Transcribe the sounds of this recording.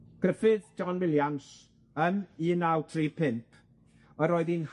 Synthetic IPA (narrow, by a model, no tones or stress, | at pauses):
ɡ̥rəfɨðd͡ʒɔnwɪljams | əniːnawtʰriːpʰɪmpʰ | əɾoɨðin